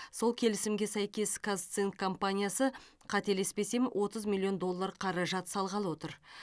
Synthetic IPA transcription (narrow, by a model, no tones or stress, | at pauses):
so̞lˠkʲʰe̞lɪsɪmɡʲe̞sæjkʲe̞skʰazt̪sinkʰːo̞mpanʲijasə | qʰɑt̪e̞le̞spe̞se̞mwʔo̞t̪əzmʲilʲːio̞nd̪o̞lˠːaɾqʰɑɾɑʒɑt̪sɑlˠʁɑlˠwo̞t̪əɾ